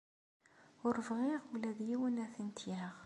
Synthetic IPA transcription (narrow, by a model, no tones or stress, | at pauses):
ʊɾvʁiʁwlæðjiwənæθənt̪jæʁ